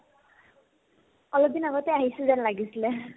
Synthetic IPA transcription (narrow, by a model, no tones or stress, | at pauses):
ɔlɔb̚d̪inaɡɔt̪eaɦisuzanlaɡisilɛ